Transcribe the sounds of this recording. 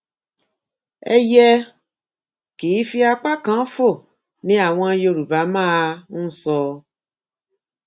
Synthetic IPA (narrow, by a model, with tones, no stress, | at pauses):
ḛ˦jɛ˦ | ki˨i˦fi˦a˧k͡pa˦kã˨˦fo˦˨ | nĩ˨˦a˨w̃ɔ̃˧˦jo˧˨ɾu˨ba˨˦mãː˦˨n̩˦sɔ˧˦